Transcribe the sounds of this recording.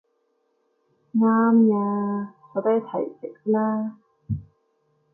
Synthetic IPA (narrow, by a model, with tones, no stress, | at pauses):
ŋaː˥mjaː˧ɔ˨˧t̪ɐ˥t̪ʰɐ˨˩jt͡sɪ˨˥k̚laː˥